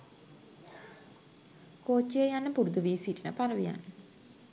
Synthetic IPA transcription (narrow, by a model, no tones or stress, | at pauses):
koːt͡ʃːijəjanːəpuɾud̪uʋiːsiʈənəpaɾəʋija̰nːə